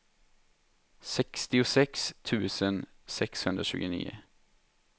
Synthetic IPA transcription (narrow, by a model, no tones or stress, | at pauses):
sɛkst̪ɪʊsɛkst̪ʰʉːsən | sɛkshʉnd̪ɾəʃʉ̰ːɡənḭːə̰